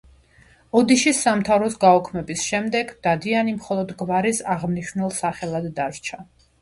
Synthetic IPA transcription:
ɔd̪iʃisamt̪ʰavɾɔsɡaɔkʰmɛbisʃɛmd̪ɛɡd̪̥ad̪ianimχɔlˠɔd̪ɡvaɾisaʁmniʃnɛlˠsaχɛlˠad̪ːaɾt͡ʃʰa

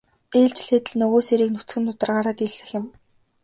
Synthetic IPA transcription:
eːɮt͡ɕɮeːt̪ɘ̆ɮnɵɣoːseɾiːknut͡sɡɘ̆nt̪ʰʊt̪ə̆rɢaːɾaːt̪iɮɘ̆xjɪ̆m

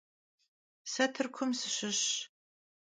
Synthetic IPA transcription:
sɐtʰɨrkʷʰʊmsɨɕɪɕ

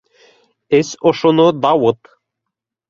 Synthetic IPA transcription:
esoʃonod̪ɑwɤt̪

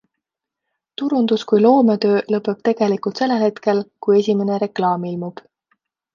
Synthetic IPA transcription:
t̪uɾund̪̥uskujlo̞ːmet̪ø̞ːlɤpːˑe̞b̥t̪e̞ɡ̥e̞likult̪se̞lːe̞lhe̞t̪ke̞lkuje̞sʲime̞ne̞ɾe̞klɑːmilmub̥

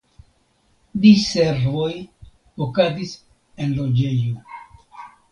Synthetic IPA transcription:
diseɾvo̞j | okazis | enlo̞d͡ʒe̞jo

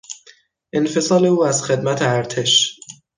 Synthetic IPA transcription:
ʔe̞nfe̞sɒːle̞uːæz̥xe̞d̪mæt̪ʰeæɾt̪ʰe̞ʃ

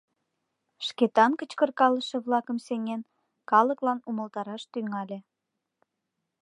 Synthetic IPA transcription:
ʃket̪ɑnkət͡ɕkə̆rkɑləʃĕβlɑkəmseŋen | kɑləklɑnuməlt̪ɑɾɑʃt̪yŋɑlʲe

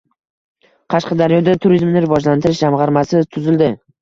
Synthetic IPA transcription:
qʰɑʃqɑd̪aɾjɒd̪at̪ʰʊɾizmnɪɾɪvɒd͡ʒlant̪ʰɪɾɪʃd͡ʒamʁɑɾmasɪt̪ʰʊzɪld̪ɪ

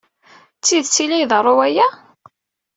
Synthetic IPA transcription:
t͡sːiðt͡sːilijðərˤːowæjæ

